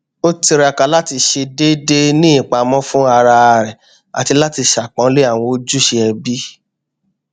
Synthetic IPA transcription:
o˦ti˧ɾa˧ka˧la˦ti˧ʃe˧de˦de˦nĩ˦ĩ˨k͡pa˨˧mɔ̃˦fũ˦a˧ɾa˧ɾɛ˨ | a̰˨ti˧la˦ti˧ʃa˨k͡pã˨˦le˦a˦˨w̃ɔ̃˧o˦d͡ʒu˦ʃe˧ɛ˧bi˦

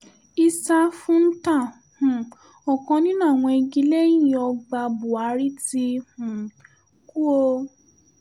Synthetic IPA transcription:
i˧sa˧fũ˦n̩˦tã˦˨ | hũ˨ | ɔ˨kɔ̃˧nĩ˦nãː˦˨w̃ɔ̃˧i˧ɡi˧˦le˦jĩ˦˨ɔ˧ɡ͡ba˧bu˨a˨˧˦ɾi˦ti˧hũ˨ | ku˦o˧

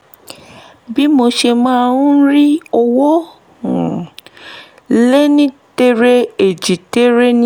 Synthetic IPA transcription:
bi˦mo˧ʃe˧mã˦˧ũ˦ɾi˦ɔ˧wɔ̃˦˨ | le˦nĩ˦te˦ɾe˦e˨d͡ʒi˨te˦ɾe˦nĩ˦

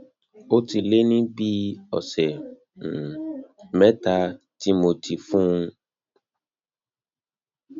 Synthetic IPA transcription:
o˦ti˧le˦nĩ˦bi˦ɔ̰˨sɛ˨ | mɛ̃˦ta˧ | ti˦mo˧ti˨fũ˦ũ˧

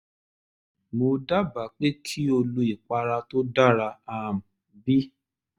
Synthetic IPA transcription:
mo˧˦da˦ba˨˦k͡pe˦kʰi˦o˧lu˧i˨k͡pa˧ɾa˧to˦da˦ɾa˧a˦˧˨m̩˨ | bi˦

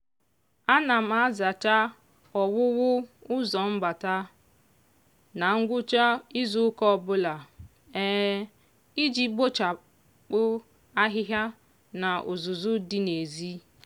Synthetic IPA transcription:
a˦na˨m̩a˨a˦za˨t͡ʃa˦ | ɔ˨wʊ˦wʊ˦ʊ˦zɔ˨m̩˦ba˨ta˦ | na˨ŋ̩˦ɡʷʊ˦t͡ʃa˦i˦zu˦kɔ˦˨bʊ˦la˨ | ɛ˦ | i˦d͡ʒi˦bo˦t͡ʃa˨ | k͡pʊ˦ | a˦ɦɪ˦ɦja˦ | na˨ʔʊ˨zʊ˨zʊ˦dɪ˦ne˨zi˦

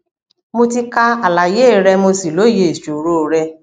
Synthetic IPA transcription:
mo˧ti˧ka˧a˨la˨je˦˨ɾɛ˧mo˧si˨lo˨˦je˧˨e˨ʃo˨ɾo˦˨ɾɛ˧

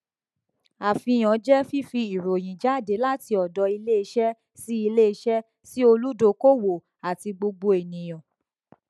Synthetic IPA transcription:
a˨fĩ˧j̃ɔ̃˨˦d͡ʒɛ˦fi˦fi˧i˨ɾo˨j̃ĩ˨d͡ʒa˦˨de˨˦la˦ti˧˦ɔ˨dɔ˧˦i˧le˦i˧˦ʃɛ˦ | si˦i˧le˦i˧ʃɛ˦ | si˦o˧lu˦do˧˦ko˦wo˨ | a˨ti˧ɡ͡bo˧ɡ͡bo˧e˨nĩ˨j̃ɔ̃˨

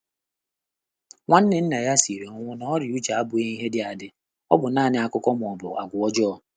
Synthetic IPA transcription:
ŋʷa˦n̩˦nɪ˦n̩˦na˨ja˦si˨ɾe˨ɔ˦ŋʷʊ˦nɔ˦ɔ˦ɾɪ˨u˦d͡ʒa˨a˦bʊ˨e˦i˦ɦe˦dɪ˦a˨dɪ˦ | ɔ˦bʊ˨naː˦˨nɪ˨a˨kʊ˦kɔ˦m˨ɔ˨bʊ̰˨ʔa̰˨ɡʷʊ˨ɔ˦d͡ʒɔ˦

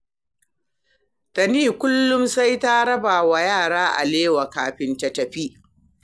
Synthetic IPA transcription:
tɐ˨niː˦˨kʷʊ˦lːʊ˦msa˦jta˦ɽɐ˦baː˨wa˨jaː˦˨ɽaː˦ʔa̰˨leː˦wa˨kaː˨ɸɪ˦ntɐ˨tɐ˨ɸi˦

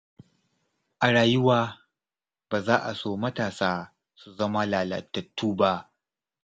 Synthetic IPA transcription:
ʔa˨ɽaː˨jʊ˦waː˦ | b̥aː˨zaː˦ʔa˨soː˦mɐ˦taː˨saː˦ | su˨zɐ˦ma˦laː˨lɐ̰˨tːɐ˨tʰːuː˦ba˦ʔ

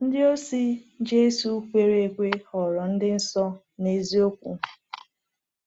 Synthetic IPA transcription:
n̩˦dɪ˦o˦si˦d͡ʒe˦su˦kʷe˨ɾe˨˦˨ɡʷe˦hɔ˨ɾɔ˨n̩˦dɪ˦n̩˦sɔ˦ | ne˨zi˦o˦kʷṵ˨

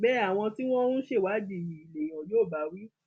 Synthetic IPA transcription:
bɛ˦a˦˨w̃ɔ̃˧ti˦w̃ɔ̃˦nũ˦ʃe˦˨wa˨˦d͡ʒi˦˨ji˨i˨le˨j̃ɔ̃˨joː˦˨ba˨˦wi˦

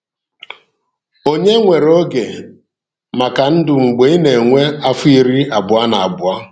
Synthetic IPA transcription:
o˦ɲe˦ŋʷe˨ɾo˦ɡe˨ | ma˨ka˨n̩˦dʊ˨ŋ͡m̩˨ɡ͡be˨i˦ne˨ŋʷe˦a˦fʊ˦i˨ɾi˦a˨bʊ˨a˦na˨a˨bʊ˨a˦

